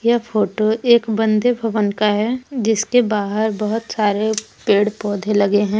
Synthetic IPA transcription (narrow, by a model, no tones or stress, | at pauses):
jɐfʰoːʈoʔeːkbɐ̃nd̪ebʱɐʋənkaɦɛd͡ʒɪskebaːɦəɾbɐɦʊt̪saːɾe | peːɽpɔːd̪ʱelɐɡeɦɛ̃ː